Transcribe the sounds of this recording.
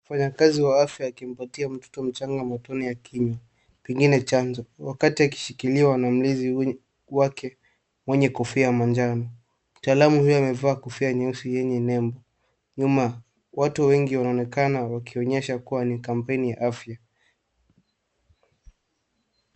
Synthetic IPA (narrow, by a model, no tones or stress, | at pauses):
ufaɲakaziwaafjaːkim̩patiam̩tɔ̥tɔm̩t͡ʃaŋɡamatɔnijakʰiɲwa | pɛŋɡinɛt͡ʃanzɔwakatiaki̥ʃikiliwanam̩lizi | wakɛ | mwɛɲɛkɔfiamand͡ʒanɔ | mutaːlamuhujɔamɛvaːkɔfiaɲɛusijɛɲɛnɛmbɔ | ɲuma | watuwɛŋɡiwanaɔnɛkanawakiɔɲɛʃakuwanikam̩pɛnijaʔafja